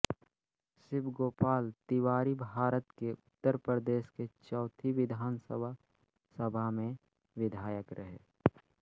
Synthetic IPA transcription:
sɪbɡoːpaːlt̪iwaːɾibʱaːɾət̪keʊt̪ːəɾpɾəd̪eːʃket͡ʃɔːt̪ʰiʋɪd̪ʱaːnsə̰bʱa | səbʱamẽ | ʋɪd̪ʱaːjəkɾəɦḛː

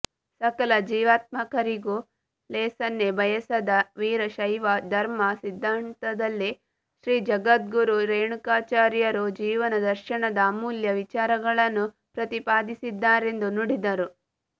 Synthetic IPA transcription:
sɐkɐlɐd͡ʒiːʋaːt̪̚mɐkɐɾiɡu | lɛːsɐnːebʱɐjɐsɐd̪ɐʋiːɾɐʃɐjʋɐd̪ʱɐɾmɐsid̪ʱːaːnt̪ɐd̪ɐlːi | ʃɾiːd͡ʒɐɡɐt̪̚ɡuɾuɾeːɳukaːt͡ʃaːɾjɐɾud͡ʒiːʋɐnɐd̪ɐɾʃiɳɐd̪ɐːmuːljɐʋit͡ʃaːɾɐɡɐɭɐnːu | pɾɐt̪ipaːd̪isid̪ːaːɾe̞nd̪unuɽid̪ɐɾu

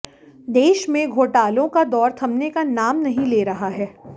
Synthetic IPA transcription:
d̪eːʃmẽɡʱoːʈaːlõkad̪ɔːɾt̪ʰɐmnekanaːmnɐɦĩleːɾɐɦaɦɛː

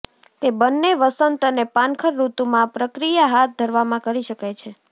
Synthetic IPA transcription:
t̪ebənːeʋəsənt̪ənepãnkʰəɾːut̪umãpɾəkɾijaɦat̪̚d̪ʱəɾʋamãkəɾiʃəkajt͡ʃʰe

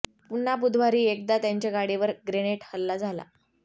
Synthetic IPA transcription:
punap̬ud̪ʱʋaɾiːek̚d̪at̪jaɲt͡ɕjaɡaɽiʋəɾɡɾeneʈhəlːad͡zʱala̰

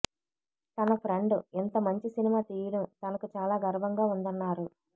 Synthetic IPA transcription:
t̪ɐnɐpʰɾeɳɖuent̪ɐmɐɲt͡ʃisinimaːt̪iːjɽɐmt̪ɐnɐkut͡ʃaːlaːɡɐɾʋɐŋɡaːund̪ɐnːaːɾu

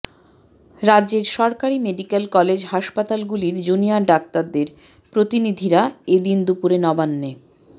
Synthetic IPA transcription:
ɾadd͡ʑeɾʃɔɾkaɾimeɖikelkɔled͡ʑɦaʃpat̪alɡuliɾd͡ʑuniaɖak̚t̪aɾd̪eɾ | pɾot̪inid̪ʱiɾaed̪ind̪upuɾenɔbanːe

